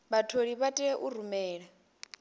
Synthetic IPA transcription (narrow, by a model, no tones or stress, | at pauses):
βatʰoɺiβatʼɛʔuɾumɛːɺa